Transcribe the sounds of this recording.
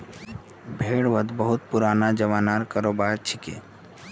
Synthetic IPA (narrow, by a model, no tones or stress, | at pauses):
bʱeːɽʋəd̪bəɦut̪̚puɾanad͡ʒəʋanaɾkəɾobat͡ʃʰikḛ